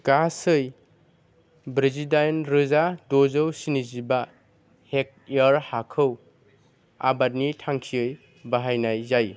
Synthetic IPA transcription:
ɡ̥asɯj | bɾizidajnɾɯzadozɯwsiniziba | hek̚ | iaɾhakʰɯw | a̰bat̚nitʰaŋkʰiɯj | baɦajnajzaj

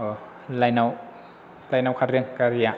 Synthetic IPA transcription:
lajnaw | lajnawkʰatɾɯŋkaɾija

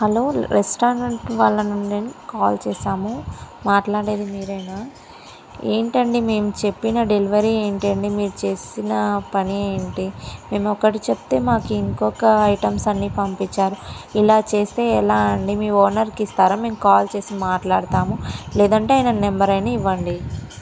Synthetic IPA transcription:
hɐlo̞ːɾesʈaːɐɳʈʋaːlːɐnuɳːenkaːlt͡ʃɛːsaːmu | maːʈlaːɽeːd̪imiːɾɐjnaː | ḛːɳʈɐɳɖime̞ːmut͡ʃe̞pːinɐɖeliʋɐɾie̞ːɳʈɐɳɖimiːɾut͡ʃe̞ːsinɐpɐnieːɳʈime̞ːmɔkːɐʈit͡ʃept̪e̞ːmaːkuiŋkɔkɐɐjʈɐmsɐnːiːpɐmpit͡ʃːaːɾuilaːt͡ʃe̞ːst̪e̞ːɛlaːɐɳɖimiːɔːɾnɐɾkist̪aːɾaːme̞ːmukaːlt͡ʃe̞ːsimaːʈlaːɽt̪aːmulɛːd̪ɐɳʈeːjinɐnembɐɾɐjnɐːiʋːɐɳɖi

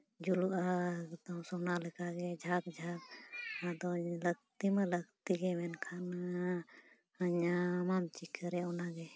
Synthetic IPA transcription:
d͡ʒuluʔat̪aw̃sɔnalɛkaɡɛd͡ʒʱak̚d͡ʒʱakad̪ɔləɡ̚t̪imɛləɡt̪iɡɛmɛnkʰan | haɲamamt͡ʃikəɾɛɔnaɡɛ

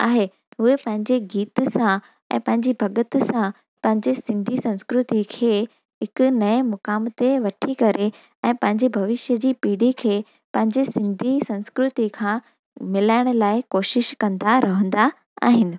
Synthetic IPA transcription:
a̰ːɦe | ɦʊɦepɐ̃ɦɪ̃ɲd͡ʑeɡiːt̪sã | ɛ̰̃ːpɐ̃ɦɪ̃ɲd͡ʑibʱɐɡət̪sã | pɐ̃ɦɪ̃ɲd͡ʑesɪ̃nd̪ʱisɐ̃nskɾʊt̪ikʰeː | ɦɪkʊ̆nɐimʊkaːmt̪eʋɐʈʰikɐɾe | ɛ̃ːpɐ̃ɦɪ̃ɲd͡ʑebʱɐʋɪʃjəd͡ʑiːpiːɽikʰeː | pɐ̃ɦɪ̃ɲd͡ʑesɪ̃nd̪ʱisɐ̃nskɾʊt̪ikʰãː | mɪlaːɪɽ̃ʊ̆laːɪkoːʃɪʃkɐ̃nd̪aɾɐɦə̃nd̪a | a̰ːɦɪnɪ̆

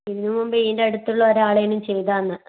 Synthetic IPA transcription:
iðinːumumbeiːndeɐɽut̪ːuɭːɐoɾaːɭejɐnumt͡ɕe̞jt̪aːnːɨ

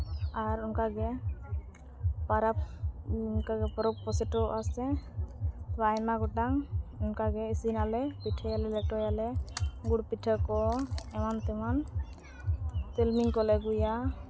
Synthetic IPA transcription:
aɾunkaɡɛ | paɾap | nkaɡɛpɔɾɔk̚pɔsɛʈɔʔasɛ | bajmaɡɔʈaŋunkaɡɛisinalɛpiʈʰɛjalɛlɛk̚ʈɔjalɛɡuɽ̚piʈʰəkɔɛmant̪ɛman | t̪ɛlmiŋkɔlɛɡuja

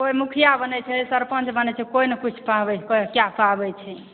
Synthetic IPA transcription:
kojmukʰijabənɛt͡ʃʰɛsəɾpə̃nt͡ʃʰbənɛt͡ʃʰɛkoinəkit͡ʃʰpabɛkɔkjapabɛt͡ʃʰɛ

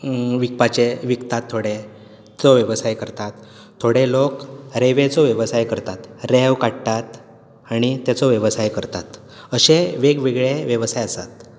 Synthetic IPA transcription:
ʋik̚pat͡ɕeʋikt̪at̪ʰːoɽe | t͡sɔʋjəʋsajkəɾt̪at̪ʰː | oɽelokɾeʋet͡sɔʋjəʋsajkəɾt̪at̪ɾeʋkaɽt̪at̪ | aɽ̃it̪at͡sɔʋjəʋəsajkəɾt̪at̪ | əɕeʋeɡʋeɡɭeʋjəʋsajəsa̰t̪̚

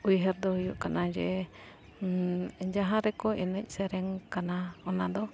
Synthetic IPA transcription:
ujɦɛɾd̪ɔhujuʔkanad͡ʒɛ | d͡ʒaɦãɾɛkɔɛnɛc̚ˀsɛɾɛŋkanaɔnad̪ɔ

